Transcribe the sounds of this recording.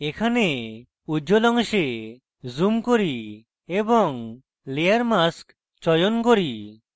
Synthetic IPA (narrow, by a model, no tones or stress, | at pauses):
ekʰane | ud͡ʒolɔŋʃe | zumkoɾi | ebɔŋ | leaɾmask | t͡ʃɔjonkoɾi